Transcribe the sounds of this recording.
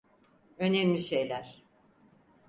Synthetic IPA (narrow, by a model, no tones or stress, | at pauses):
ø̞nemlʲiʃejlʲæɾ̥